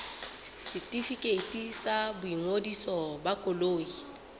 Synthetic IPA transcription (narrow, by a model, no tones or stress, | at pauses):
sɪtʼifikʼetʼisabʊiŋodisɔbakʼoloːi